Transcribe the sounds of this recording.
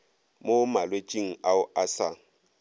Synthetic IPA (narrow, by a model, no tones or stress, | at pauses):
momalwet͡ʃʼiŋ̩aʊʔasa